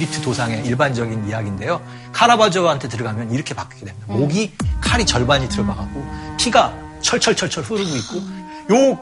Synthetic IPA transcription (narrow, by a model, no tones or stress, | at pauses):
ɾitʰɯtosʰaŋe̞iɭband͡ʑʌɡinijaɡinde̞jo | kʰaɾabad͡ʑʌɦantʰe̞tɯɾɯɡamjʌniɾʌkʰe̞pak͈kedeaoɡikʰaɾit͡ɕʌɭbaɲitɯɾʌbaɡak͈̚opʰiɡa | t͡ɕʰʌɭt͡ɕʰʌɭt͡ɕʰʌɭt͡ɕʰʌɭɸɯɾɯɡoit̚k͈o | jo